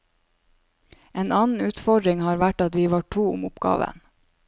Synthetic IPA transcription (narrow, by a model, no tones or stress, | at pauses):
eːnɑːnn̩ʉːt̪fɔɖɾɪŋhɑːɾʋæʈɑt̪ʋiːʋɑːʈʰuːʊ̰mʊpɡ̥ɑ̰ːʋə̰n